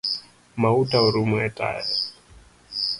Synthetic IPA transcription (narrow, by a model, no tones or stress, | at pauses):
mautʼauɾumuɛtʼa̰ːjɛ